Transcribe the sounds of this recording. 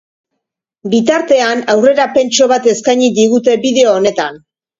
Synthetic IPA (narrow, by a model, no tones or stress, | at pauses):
bit̪aɾt̪e̞anawre̞ɾape̞nt͡ʃo̞β̞at̪e̞skajɲid̪iɣ̞ut̪e̞biðe̞oːne̞t̪an